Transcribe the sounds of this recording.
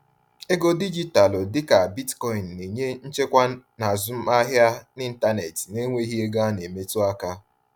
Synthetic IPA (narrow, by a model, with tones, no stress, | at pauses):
e˦ɡo˦di˦d͡ʒi˦ta˨lo˨dɪ˦ka˨bi˦tkɔ˦i˨n̩ː˨e˨ɲe˦n̩˦t͡ʃe˦kʷa˦na˨zʊ˦m̩˦a˦ɦja˦nɪ˦n̩˦ta˦ne˨tne˦ŋʷe˦ɦi˦e˦ɡa˦ne˨me˦tʊ˦a˦ka˦